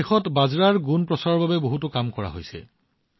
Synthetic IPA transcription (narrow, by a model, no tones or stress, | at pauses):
exɔtbazɹaɹɡunpɹɔsaɹɔɹbabɛboɦutʊkamkɔɹa̰ɦojsɛ̰